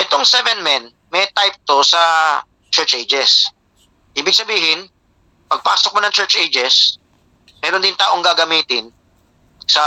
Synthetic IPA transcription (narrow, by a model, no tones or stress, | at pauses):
ʔɛt̪o̞ŋsɛvɛnmɛn | mɛt̪ajp̚t̪o̞sɐ | t͡ʃɛɹt͡ʃʔejd͡ʒɛs | ʔiːbɪɡ̚sɐbiːhɪn | pɐɡ̚paːsok̚monɐŋt͡ʃɛɹt͡ʃʔejd͡ʒɛs | mɛːɾond̪ɪnt̪aːʔo̞ŋɡaːɡɐmiːt̪ɪn | sɐ